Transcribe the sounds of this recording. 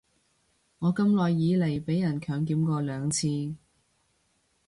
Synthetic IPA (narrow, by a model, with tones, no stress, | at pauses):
ŋɔː˨˧kɐ˥mlɔː˨jːiː˨˧le˨˩jpe˨˥jːɐ˨˩nkʰœː˨˧ŋkiː˨˥mkɔː˧lœː˨˧ŋt͡sʰiː˧